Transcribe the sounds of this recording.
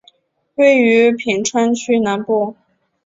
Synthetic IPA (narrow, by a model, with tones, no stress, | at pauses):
we˥˩ɪy˧˥pʰi˨˩ŋʈ͡ʂʰwa˥nt͡ɕʰy˥na˧˥npu˥˩